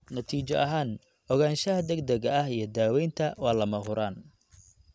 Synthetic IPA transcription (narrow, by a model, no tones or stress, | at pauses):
nɐt̪ʰiːt͡ʃɐʔɐɦaːn | ʔɔɣaːnʃɐɦɐd̪ɛɡd̪ɛɣɐɐhijɞd̪aːwɛjnt̪ʰɐwɑːlɐmɐɦʊɾaːn